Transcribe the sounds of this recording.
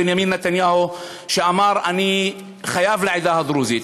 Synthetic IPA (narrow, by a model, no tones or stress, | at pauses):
ɪnjamiːnːat̪anjaːhu | ʃaʔamɑːɾˤʔani | xajaːvlaʕɪd̪aːhad̪ˤɾuːzi